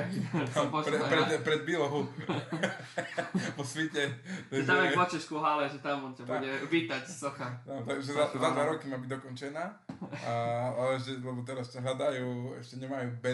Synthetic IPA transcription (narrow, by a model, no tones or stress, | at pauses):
t̪apɾɛpɾɛd̪pɾɛd̪̚bilɔɦu | pɔsʋicɛt̪amɛpɔt͡ʃɛʃkuɦalɛʒɛt̪amɔncab̪uɟɛʋiːt̪acsɔxat̪at̪aʒɛzazad̪ʋaɾɔkimaːbiɟd̪ɔkɔnt͡ʃɛnaː | aalɛɛʃɛlɛbɔt̪ɛɾastaɦlad̪ajuːɛ̰ʃcɛɲɛmajuːbɛ